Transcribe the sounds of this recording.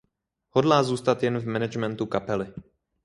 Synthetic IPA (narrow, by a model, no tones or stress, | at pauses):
hodlaːzuːst̪at̪jɛnvmɛnɛd͡ʒmɛnt̪ukapɛlɪ